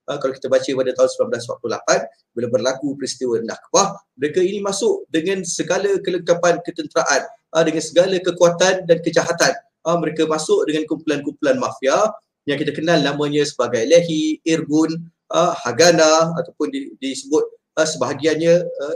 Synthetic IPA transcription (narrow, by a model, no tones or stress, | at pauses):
ʔəkalawki̥t̪abat͡ʃəpadat̪aɦunsəmilamblaswa̰p̚tlula̰pan | bəlawbərlakupɾist̪iwədna̰kbahməɾekainimasʊʔdəŋãnsəɡalakələŋkapankət̪ənt̪əɾaʔanʔədəŋansəɡalakəkuat̪andankəd͡ʒaɦat̪an | əməɾekamasʊʔ̚dəŋankumpulankumpulanmãfia | jaŋkit̪akənalnamə̃ɲəsəbaɡajleɦiirbʊn | ʔəhaɡanaat̪awpʊnidisəbʊt̪̚ | əsəbaɦaɡianɲəə